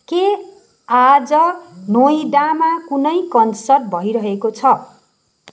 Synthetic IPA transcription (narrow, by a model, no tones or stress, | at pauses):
ke | ad͡zʌnojɖamakunʌjkʌnsʌrʈ̚bʱʌiɾʌɦekot͡sʰʌ